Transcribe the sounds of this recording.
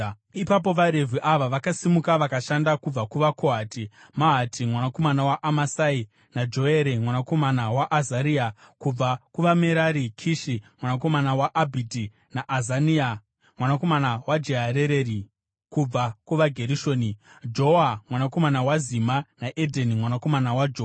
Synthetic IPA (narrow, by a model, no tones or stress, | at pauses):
ipap̬o̞ʋaɾe̞vʱiʔaʋaʋakasimukaʋakaʃandakub͡vakuʋakʰoɦaːti | maɦatʰimwanako̞manawaʔamasai | nad͡ʒo̞eɾemwanako̞manawaʔazaɾiakub͡vakuʋame̞ɾaɾikʰiʃimwanako̞manawaʔabʱidi | naʔazania | mwanako̞manawad͡ʒeɦaɾeɾeɾi | kub͡vakuʋaɡʱe̞ɾiʃoːnid͡ʒoamwanako̞manawazimanaʔedʱenimwanako̞manawad͡ʒo